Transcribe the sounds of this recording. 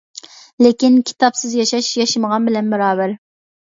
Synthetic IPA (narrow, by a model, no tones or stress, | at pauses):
lekʲinkʲʰi̥t̪ʰɑpsɪzjɑʃɑʃjɑʃɪməʁɑnbɪlɛnbɛɾɑːbæɾ